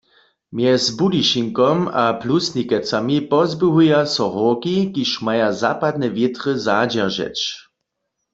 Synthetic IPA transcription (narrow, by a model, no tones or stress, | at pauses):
mjɛzbudiʃiŋkɔmaplusnʲikɛt͡samipɔzbɪɦujasɔʁɔkikiʃmajazapad̪̚nɛvjɪt̪ʁəzad͡ʒɛʁʒɛ̰t͡ʃ